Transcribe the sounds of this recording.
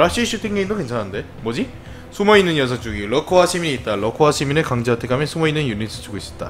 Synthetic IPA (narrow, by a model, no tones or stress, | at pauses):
ɾaɕ͈iɕ͈ʰutʰiŋɡeindoke̞nt͡ɕʰanɦande̞ | mʌd͡ʑi | sʰumʌinːɯnjʌs̬ʰat͡ɕ͈uɡilʌkʰowaɕʰimiɲiːt̚t͈aɭʌkʰowaɕʰiminɯɭkaŋd͡ʑeatʰekamjʌnsʰumʌinːɯnjunitʰɯ̥t͡ɕ͈ʰuɡois͈ʌt̚t͈a̰